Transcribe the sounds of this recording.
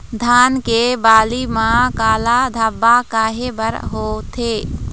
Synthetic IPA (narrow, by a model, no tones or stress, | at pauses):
d̪ʱaːnkebaːlimãkaːlad̪ʱabːakaːɦebəɾɦoːt̪ʰeː